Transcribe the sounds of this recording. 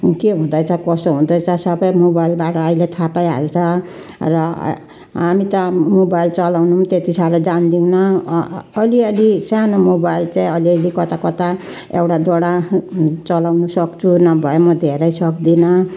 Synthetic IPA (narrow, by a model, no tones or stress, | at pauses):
keɦũd̪ʌjt͡sʰʌkʌst̪oɦũd̪ʌjt͡sʰʌsʌbʌjmobajlbaʈʌːjlet̪ʰapajɦa̰lt͡sʰʌ | rʌ̰ | ɦamit̪ʌmobajlt͡sʌlawnumt̪et̪isaɾʌd͡zand̪iw̃nʌː | liʌlisanomobajlt͡saĩʌliʌlikʌt̪akʌt̪a | ewʈad̪oɽat͡sʌlawnusʌkt͡sʰunʌbʱʌjomʌd̪ʱeɾʌjsʌkd̪inʌ